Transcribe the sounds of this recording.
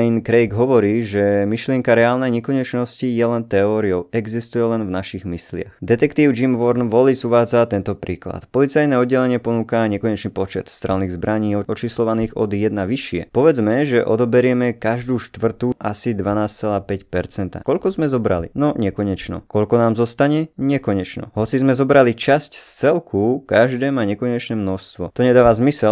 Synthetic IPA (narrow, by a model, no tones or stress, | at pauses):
inkɾɛjɡɦɔʋɔɾiːʒɛmiʃlɪɛŋkaɾɛaːlnɛjɲɛkɔɲɛt͡ʃnɔscijɛlɛnt̪ɛɔːɾiɔʊɛɡzist̪ujɛlɛnvnaʃiɣmislɪa̰xd̪ɛt̪ɛkt̪iːʊd͡ʒimʋɔɾnʋɔlizuʋaːd͡zat̪ɛnt̪ɔpɾḭːkla̰t̪pɔlit͡sajnɛːɔd̪ɟɛlɛɲɪɛpɔnuːkaɲɛkɔɲɛt͡ʃnipɔt͡ʃɛt̪st̪ɾɛlniːɣzbɾʔaɲiːɔɔt͡ʃislɔʋaniːɣɔ̰d̪jɛd̪naʋiʃɪɛ̰pɔʋɛd͡zmɛʒɛʔɔd̪ɔbɛɾɪɛmɛkaʒd̪uːʃt̪ʋr̩t̪uʔasid̪ʋanaːst͡sɛlaːpɛcpɛɾt͡sɛnt̪a̰kɔʎkɔzmɛzɔbɾa̰lḭnɔɲɛkɔɲɛt͡ʃnɔ̰kɔʎkɔnaːmzɔst̪aɲɛɲɛkɔɲɛt͡ʃnɔ̰ɦɔt͡sizmɛzɔbɾalit͡ʃascst͡sɛlkʰukaʒd̪ɛːmaːɲɛkɔɲɛt͡ʃnɛːmnɔʃst̪ʋɔ̰t̪ɔɲɛd̪aːʋazmisɛl